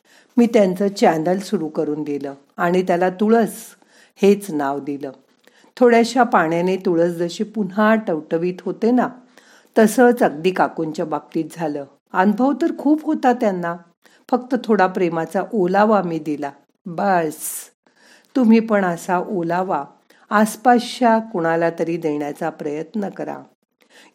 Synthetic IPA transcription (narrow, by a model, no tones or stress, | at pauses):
miːt̪jant͡səːt͡ɕænəlsuɾuːkəɾuːnd̪iləː | aɽ̃it̪jalat̪uɭəːt͡s | het͡snaʋd̪iləː | t̪ʰoɽjaɕjapaɳjanet̪uɭəːt͡sd͡zəɕipun̤aʈəʋʈəʋiːt̪ɦot̪ena | t̪əsət͡səɡ̚d̪iːkakuɲt͡ɕjabab̚t̪iːt̪̚d͡zʱaləː | anbʱəʋt̪əɾkʰuːpɦot̪at̪janːa | fək̚t̪ət̪ʰoɽapɾemat͡saʔolaʋamiːd̪ila | bəs | t̪um̤iːpəɳəsaʔolaʋaː | spaɕjakoɽ̃alat̪əɾiːd̪eɳjat͡sapɾəjət̪nəkəɾa̰